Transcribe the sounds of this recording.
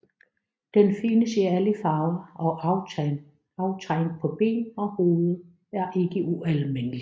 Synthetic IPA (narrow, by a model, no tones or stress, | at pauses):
d̥enfinəsiæləfɑ̈ːʊɐɒ̽ʔɑ̈ʊt͡sʰɛn | ɑ̈ʊt͡sʰʁaŋ̥̚pʰɒ̽b̥e̝̰ːnɒ̽ho̝ːð̩ˠ | æɐʔe̝ɡ̥əʔuælmenəli